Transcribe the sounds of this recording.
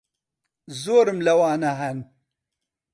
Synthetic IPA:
zoːɾɨmlɐwaːnɐɦɐn

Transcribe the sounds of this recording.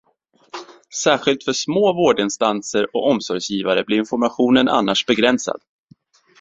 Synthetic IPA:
sæːɧɪlt̪fœʂmoːvoːɖɪnst̪ansəɾɔkɔmsɔɾjsjiːvaɾəblɪɾɪnfɔɾmaɧuːnənʔa̰nːaʂbɛɡɾɛnsa̰d̪̥

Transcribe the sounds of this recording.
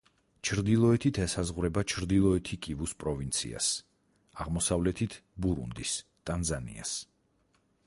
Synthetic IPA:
t͡ʃʰɾd̪ilˠɔɛt̪ʰit̪ʰɛsazʁwɾɛbat͡ʃʰɾd̪ilˠɔɛt̪ʰikʼivuspʼɾɔvint̪sʰḭa̰s | aʁmɔsavlɛt̪ʰit̪ʰbuɾṵnd̪ist̪ʼanzanḭa̰s

